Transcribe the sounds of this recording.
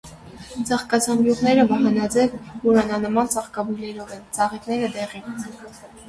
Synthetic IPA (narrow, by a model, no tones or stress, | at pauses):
t͡sɑχkɑt͡sʰɑmbjuʁnɛɾəbɑɦɑnɑd͡zɛvuɾɑnɑnəmɑnt͡sɑχkɑbujlɛɾɔvɛnt͡sɑʁɛk̪nɛɾəd̪ɛʁi